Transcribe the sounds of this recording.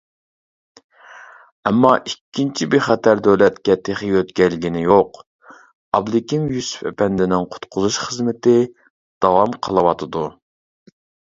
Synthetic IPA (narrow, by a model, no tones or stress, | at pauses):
ɛmːɑʔikʲʰːint͡ʃʰibeχɛt̪ʰæɾd̪øwlɛt̪kʲɛt̪ʰeχiøt̪kʲɛɾlɪɡʲinɪjoq | ɑblˠɪkʲimjusu̥fɛ̰pɛnd̪ɪnɪŋqʰʊ̥t̪qʰʊzuʃχəzmɪt̪ɪ | d̪̥ɑwɑmqʰəlˠɨwɑt̪ʰɨd̪u